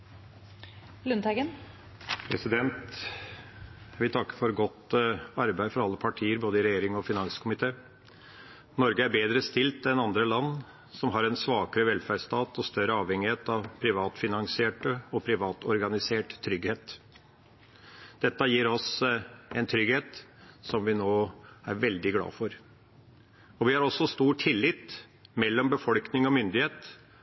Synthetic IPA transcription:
lʉnt̪ʰæɡən | pʰɾɛsɪd̪ɛnt̪ | jæɪʋɪlt̪ʰɑkːə̥fɔɾɡɔt̪ɑɾbæɪfɔɾɑlːəpʰɑʈʰiːəɾboːd̪əɪɾɛjeːɾɪŋɔfɪnɑnskʰʊmɪt̪ʰeː | nɔɾɡəæɾbeːd̪ɾəst̪ɪlt̪ɛnɑnd̪ɾəlɑnː | sɔmɦɑɾɛnsʋɑːkəɾəʋɛlfæɖst̪ɑːt̪ɔst̪œɾəɑːʋhɛŋːɪheːt̪ɑʋpʰɾɪʋɑːt̪fɪnɑŋsɪeːʈəɔpʰɾɪʋɑːt̪ɔɾɡɑnɪseːʈt̪ʰːɾʏɡheːt̪ | d̪̥ɛt̪ːəjiːɾɔsɛɪnt̪ʰɾʏɡheːt̪sɔmʋɪnoːæɾʋɛld̪ɪɡlɑ̰ːfɔɾ | ɔʋɪhɑɾɔsɔst̪uːʈʰɪlːɪt̪ | mɛlːɔmbəfɔlknɪŋɔmʏnd̪ɪheːt̪

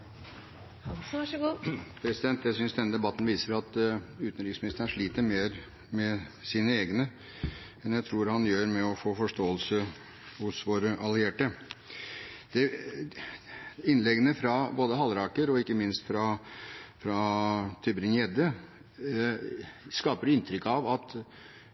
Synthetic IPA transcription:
pʰɾɛsɪd̪ɛnt̪jæɪsʏnsd̪ɛnəd̪ɛbɑt̪ːn̩ʋiːsəɾɑt̪ʉːt̪ənɾɪksmɪnɪst̪əɳʂɭiːt̪əɾmeːɾ | mɛsiːnəeːɡnə | ɛnjæɪt̪ʰɾuːɾhɑnjøːɾmɛɔfoːfɔʂʈoːəlsə | hʊsʋoːɾəʔɑlɪeːʈə | d̪̥ɛ | ɪnlɛɡənəfɾɑboːd̪əɦɑlɾɑːkəɾɔɪkːəmɪnst̪fɾɑ | fɾɑt̪ʰɪbɾɪnɛd̪ə | skɑːpəɾɪnt̪ʰɾʏkːɑʋɑt̪

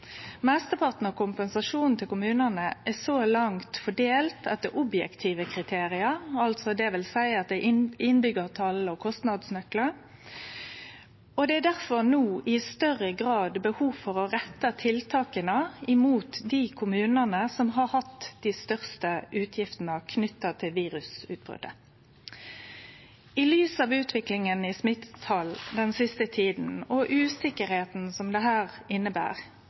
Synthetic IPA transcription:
mɛst̪əpʰɑʁt̪n̩ɔkʰʊmpɛnsɑʂuːnn̩t̪ʰɪlkʊmʉːnənəʔæsolɑŋt̪fɔɖeːlt̪ɑt̪̚d̪ɛʔɔbjɛ̰kt̪ʰiːʋəkʰʁɪt̪ʰeːʁɪəɾɑlt̪sɔd̪ɛʋɪlsæɪɑt̪̚d̪ɛɪʔɪnbʏɡəʁt̪ʰɑlːəɔkʰɔst̪nɑd̪snœklə | ɔd̪ɛæd̪æʁfɔnuːɪst̪œʁəɡɾɑːd̪bəhuːʋfɔʁɔʁɛt̪ːət̪ʰɪlt̪ʰɑːkənəɪmuːt̪d̪iːkʰʊmʉːnənəsɔmɦɑʁhɑt̪ːd̪ɪːst̪œʁst̪əʔʉːt̪ʰjɪft̪n̩əkʰnʏt̪ːɑt̪ʰɪlʋiːʁʉsʉ̰ːt̪̚b̥ʁʏ̰d̪̥ə | ɪlyːsɑːʋʉːt̪ʰʋɪklɪŋənɪsmɪt̪t̪ʰɑld̪ɛnsɪst̪ət̪ʰiːd̪n̩ɔʔʉːsɪkəɾheːt̪n̩sɔmd̪ɛɦæːʁɪnːəbæ̰ːʁ

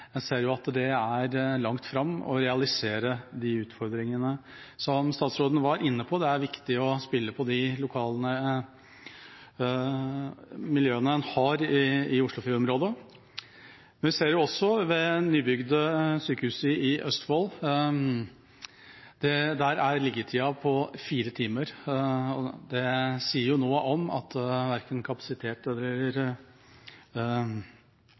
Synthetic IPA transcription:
jɛseːɾjʊɑt̪d̪ɛæɾlɑŋt̪fɾɑmːɔ̰ɾɛɑlɪseːɾəd̪ɪʉːt̪fɔɾd̪ɾɪŋənə | sɔmst̪ɑːt̪sɾoːd̪ən̩ʋɑɾʔɪnːəpʰɔd̪ɛæɾʋɪkt̪ɪɔspɪlːəpʰɔd̪ɪlʊkʰɑːlnə | mɪljøːənəhɑːɾɪɪʊʂɭʊfiːɔmɾoːd̪ə | mɛnʋɪseːɾjʊɔsːɔʋɛnyːbʏɡd̪əsyːkəhʉːsəɪʔœst̪fol | d̪̥ɛd̪æɾæɾlɪɡət̪ʰiːɑpʰɔfiːɾət̪ʰiːməɾɔ̰d̪ɛsiːəɾjʊnoːəʔɔmɑ̰t̪ʋæɾkənkʰɑpɑ̥sɪt̪ʰeːt̪ɛlːəɾəɾ

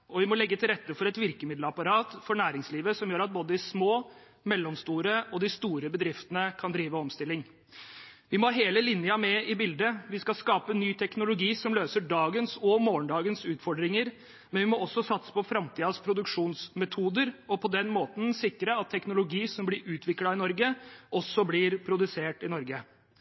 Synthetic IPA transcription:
ɔʋɪmɔlɛɡːət̪ʰɪlɾɛt̪ːəfɔɾɛt̪ʋɪɾkəmɪd̪ləɑpɑɾɑːt̪fɔɳæːɾɪŋsliːʋəsɔmjøːɾɑt̪̚boːd̪əɪsmoː | mɛlːɔmst̪uːɾəɔd̪ɪst̪uːɾəbəd̪ɾɪft̪ənəkʰɑnd̪ɾiːʋəɔmst̪ɪlːɪŋ | ʋɪmɔɦeːləlɪnjəɑmɛɪbɪld̪əʋɪskɑskɑːpənyːt̪ʰɛknʊlʊɡiːsɔmløːsəɖɑːɡənsɔmoːɳɖɑːɡənsʉːt̪fɔɖɾɪŋəɾ | mɛnʋɪmɔʔɔsːɔsɑt̪sə̥pɔfɾɑmt̪ʰiːɑspʰɾʊd̪ʉkʂuːnsmɛt̪ʰuːd̪əɾɔpʰɔd̪ɛnmoːt̪n̩sɪkːɾəɑt̪ʰːɛknʊlʊɡiːsɔmblɪɾʔʉːt̪ʰʋɪklɑɪnɔɾɡəʔɔsɔblɪɾpʰɾʊd̪ʉseːʈɪnɔɾɡə

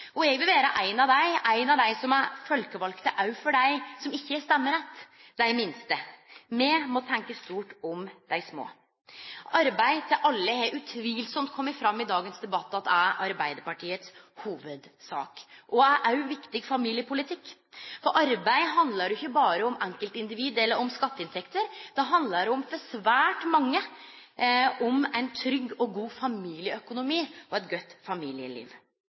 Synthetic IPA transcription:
ɔɛɡʋɪlbeːɾəʔæɪnɑd̪æɪæɪnɑʋd̪æɪsɔmæɾfœlkəʋɑlkt̪əʔɑʉfɔɖæɪsɔmɪçːəst̪ɛmːəɾɛt̪ː | d̪æɪmɪnst̪əmɛmɔt̪ʰɛŋkəst̪uːʈɔmd̪̥æɪsmo̰ː | ɑɾbæɪt̪ʰɪʔɑlːəhɛʉt̪ʰʋiːlsɔmt̪̚kʰɔmːəɾfɾɑmːɪd̪ɑːɡənsd̪ɛbɑt̪ːɑt̪ːæʔɑɾbæɪd̪əɾpɑʈʰiːət̪s | huːʋəd̪sɑ̰ːkʔɔæʔæʉʋɪkt̪ɪɡfɑmiːlɪəpʰʊlɪt̪ʰɪkː | fɔɾʔɑɾbæɪɦɑnd̪ləɾʏçːəbɑːɾəɔmɛŋkəlt̪ɪnd̪ɪʋiːd̪ɛlːəɾɔmskɑt̪ːəɪnt̪ʰɛkt̪əɾd̪̥ɑɦɑnd̪ləɖɛʊmfɔsʋæːʈmɑŋːə | ɔmæɪnt̪ʰɾʏɡːɔɡuːfɑmiːlɪəœkʊnʊmiːʔɔɛt̪ɡœt̪ːfɑmiːlɪə̰lḭːʋ

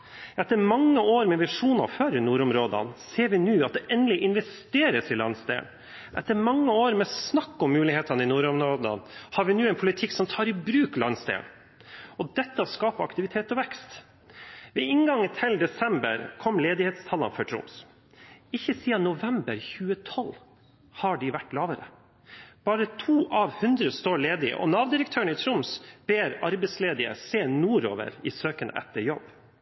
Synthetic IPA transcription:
ɛt̪ːəɾmɑŋːəoːɾmɛʋɪʂuːnɑ̰føːɾɪnuːɾɔmɾoːd̪ə̰nseːɾʋɪnʉːɑt̪̚d̪ɛʔɛnlɪʔɪnʋɛst̪eːɾəsɪlɑnsd̪ḛːn | ʔɛ̰t̪ːəɾmɑŋːəoːɾmɛsnɑkːɔmːʉːlɪheːt̪ɑnəɪnuːɾʊmɾoːd̪ə̰nhɑːɾʋɪnʉːɛnpʰʊlɪt̪ʰɪkːsɔmt̪ʰɑːɾɪbɾʉːklɑnsd̪ḛːn | ɔd̪ɛt̪ːəɔskɑːpəɑkt̪ɪʋɪt̪ʰeːt̪ɔʋɛkst̪ | ʋeɪŋɡɑŋːət̪ʰɪld̪ɛsɛmbə̰ɾkʰɔmːleːd̪ɪhɛt̪st̪ʰɑlɑ̰nfœʈʰɾʊ̰ms | ɪçːəsiːɑnʊʋɛmbəɾçʉːət̪ʰɔl | hɑɖɪʋæʈːlɑːʋəɾə̰ | b̥ɑːɾət̪ʰuːʔɑʋhʉnd̪ɾəst̪oːɭeːd̪ɪɪ̰ʔɔ̰nɑːʋd̪ɪɾək̚t̪ʰøːəɳɪt̪ʰɾʊmsb̥eːɾɑɾbɛɪsleːd̪ɪə̰seːnuːɾo̰ːʋə̰ɾɪsøːkənɛ̰t̪ːəɾjɔb

